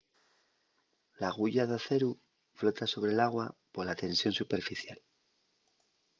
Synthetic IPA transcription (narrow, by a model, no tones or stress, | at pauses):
laɣ̞uʝaðaθe̞ɾu | flo̞t̪aso̞β̞ɾe̞laɣwapoɾlat̪e̞nsjo̞nsupe̞ɾfiθjal